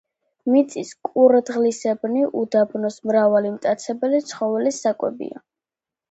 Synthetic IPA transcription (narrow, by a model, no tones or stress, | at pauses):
mit̪sʼiskʼuɾd̪ʁlisɛbniʔud̪abnɔsmɾavalimt̪ʼat̪sʰɛbɛlit̪sʰχɔvɛlisakʼwɛ̰bḭa̰